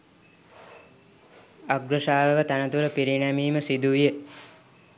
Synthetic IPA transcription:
aɡɾəʃaːʋəkət̪ænət̪uɾəpiɾinæmiːməsid̪uʋijə

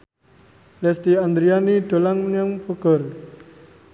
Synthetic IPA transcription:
lɛst̪iand̪ɾianiɖ̪̥o̤laŋnjaŋpɔɡ̥ər

